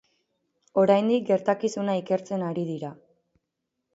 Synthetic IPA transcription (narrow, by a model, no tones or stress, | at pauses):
o̞ɾajnd̪ik̚ɡe̞ɾt̪akisunaike̞ɾt͡se̞naɾiðiɾa